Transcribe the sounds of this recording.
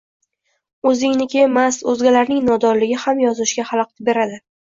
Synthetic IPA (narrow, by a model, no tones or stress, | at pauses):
ɵzɪŋnɪkʲemasɵzɡʲalaɾnɪŋnɒd̪ɒɾlɪɡʲɪhamjɒzɪʃɡʲahalˠq̚t̪ɪbe̞ɾad̪ɪ